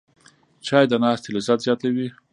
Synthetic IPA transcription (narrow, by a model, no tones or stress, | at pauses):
t͡ʃɑjd̪ənɑːst̪elazat̪zjɑt̪awi